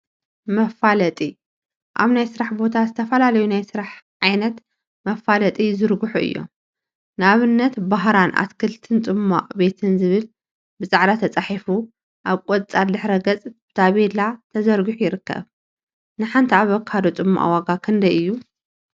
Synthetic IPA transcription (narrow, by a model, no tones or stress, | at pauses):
mɐfalɐt̪ʼi | ʔa̰βnajsɨɾaħbo̞t̪ʰazɨt̪ʰɐfɐlalɐjunajsɨɾaħʕajnɐt̪ | mɐfalɐt̪ʼizɨɾɡuħuʔɨ̰jːo̰m | naβɨnːɐt̪baɦɾanʔa̰t̪kʰɨlt̪ʰɨnt͡sʼɨmːa̰ʔʼbe̞t̪ʰɨnzɨβɨl | bɨzʼaʕɾat̪ʰɐt͡sʼaħifu | ʔaβkʼot̪ʼt͡sʼad̪ɨħɾɐɡɐt͡sʼb̥ɨ̥t̪ʰaβelat̪ʰɐzɐɾɡɨħujɪɾɨkːɐ̰β | nɨħant̪ʰiaβɐkːad̪ot͡sʼɨmːa̰ʔa̰waɡakʰɨnd̪ɐjʔɨjːu